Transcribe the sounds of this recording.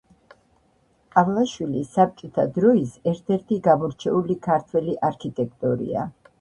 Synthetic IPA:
avlˠaʃwilisːap̚t͡ʃʼɔt̪ʰad̪ɾɔisɛɾt̪ʰɛɾt̪ʰiɡamɔɾt͡ʃʰɛulikʰaɾt̪ʰwɛliʔaɾkʰit̪ʼɛk̚ʰt̪ʼɔɾḭa̰

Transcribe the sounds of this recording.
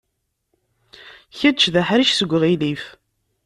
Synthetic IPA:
çəd̪t͡ʃðæħɾiʃsəɡʷːʁilif

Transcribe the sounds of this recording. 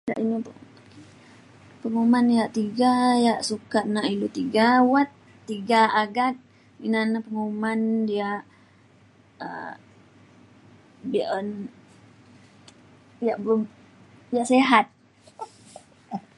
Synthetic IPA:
da̰ʔinip | pəŋumanijaʔt̪iɡajaʔsukaʔnaʔilut̪iɡawat̪ː | iɡaaɡat̪̚ | inanapəŋumandiaʔ | ə̰ | biʔən | jaʔbəlumjaʔseɦat̪̚

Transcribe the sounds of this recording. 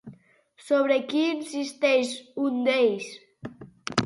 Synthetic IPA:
soβɾekiːnsist̪eʃund̪ejs

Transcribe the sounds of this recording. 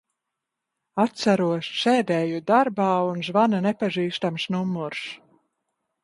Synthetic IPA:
at̪saɾuɔʃʃɛːd̪ɛːjud̪aɾbaːunʒvananɛpaʒiːst̪amsnumːuɾs

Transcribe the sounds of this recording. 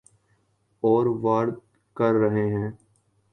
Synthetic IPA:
ɔːɾʋaːɽt̪ | kəɾːəɦeɦɛ̃ː

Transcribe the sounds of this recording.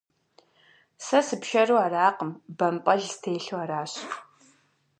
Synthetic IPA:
sɐsɨpʃɐruaːɾaːqəmbɐmpʼɐɮstʰeːɬuaːɾaːɕ

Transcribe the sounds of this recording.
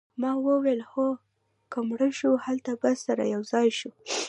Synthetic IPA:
mɑwəwelxo | kəmɽəʃuhalt̪abəsaɾa̰jawzɑjʃu

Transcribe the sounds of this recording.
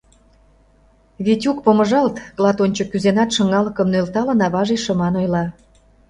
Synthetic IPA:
βitʲukpomə̆ʒɑlt̪ɣlɑt̪onʲt͡ɕŏkyzenɑt̪ʃə̆ŋɑlɤ̆kə̆mnølt̪ɑlɤ̆nɑβɑʒeʃə̆mɑnojlɑ

